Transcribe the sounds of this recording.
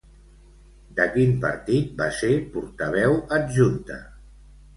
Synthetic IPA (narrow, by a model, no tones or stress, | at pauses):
d̪əkimpə̰ɾt̪it̪̚basepuɾt̪əβ̞ɛwəd̪ʒunt̪ə̰